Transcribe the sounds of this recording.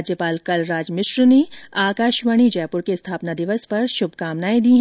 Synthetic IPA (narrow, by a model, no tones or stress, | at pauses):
d͡ʒjəpaːlkɐlɾaːd͡ʒmɪʃɾneaːkaːʃʋəɽ̃id͡ʒɛːpʊɾkest̪ʰaːpnad̪ɪʋəspɐɾʃʊbʱkaːmnaːed̪iːɦ